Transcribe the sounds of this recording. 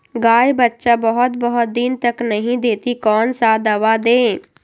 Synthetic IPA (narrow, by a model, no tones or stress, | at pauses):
ɡaːjbɐtːʃabɔɦʊt̪bɔɦʊt̪̚d̪iːnt̪ɐknɐɦĩd̪eːt̪ikɔːnsad̪ɐʋad̪ẽː